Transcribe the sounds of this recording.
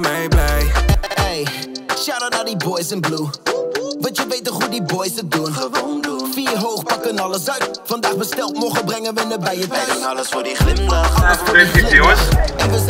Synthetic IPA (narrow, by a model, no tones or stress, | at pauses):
ejʃadədaːdibɔjsɛnblu | vɐntjəvejtəχɦudibɔjsədun | fiːrɦowχpɑkənɑləs̬œɥt | fɑndaːχbəstɛlˠtmoχəbrɛŋənʋəɪnəbɛjətœsləsfodiχlɪməɑləsɪsiosɛnvə